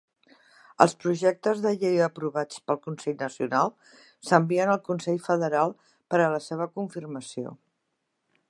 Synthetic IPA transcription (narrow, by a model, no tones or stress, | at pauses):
ə̰lˠspɾuʒɛk̚t̪əzðəʎejəpɾuβat͡spəlˠkunsɛʎnəsiunalˠ | səmbiənəlˠkunsɛʎfəðəɾalˠ | pəɾələseβ̞əkuɱfirməsio̰